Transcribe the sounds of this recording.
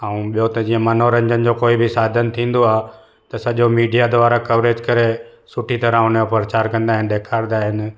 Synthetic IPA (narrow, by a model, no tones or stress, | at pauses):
aũɓijot̪ɐd͡ʑĩːə̃mɐnoɾɐ̃ɲd͡ʑənɪ̆d͡ʑoːkoːibʱɪsaːd̪ʱənt̪ʰĩːn̆d̪oaːɦ | t̪ɐsɐʄomiːɖijad̪ʊʋaːɾakɐʋɾeːd͡ʑkɐɾe | sʊʈʰit̪ɐɾə̃ʊneopɾət͡ɕaːɾkɐ̃nd̪aːɦɪnɗ̪eːkʰaːɾd̪aːɦɪnɪ̆